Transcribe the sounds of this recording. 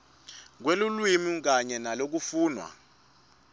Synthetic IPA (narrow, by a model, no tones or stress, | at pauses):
k̬welulwimik̬aɲɛnalok̬ufuːnwa̰